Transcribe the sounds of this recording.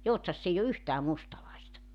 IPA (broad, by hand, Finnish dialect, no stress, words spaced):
joutsɑsː eij o yhtæː mustɑlɑistɑ